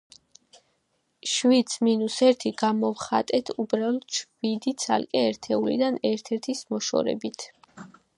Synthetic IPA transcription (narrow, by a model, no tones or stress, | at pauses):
ʃwid̪sminusɛɾt̪ʰiɡ̥amɔvχat̪ʼɛt̪ʰubɾalˠɔt̪ʰʃʰwid̪it̪sʰa̰lkʼɛɛɾt̪ʰɛulḭd̪anɛɾt̪ʰɛɾt̪ʰismɔʃɔ̰ɾɛ̰bit̪ʰ